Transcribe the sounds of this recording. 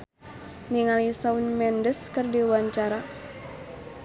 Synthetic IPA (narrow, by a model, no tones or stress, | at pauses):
niŋalisaunmɛndəskərdiwaɲt͡ʃaɾa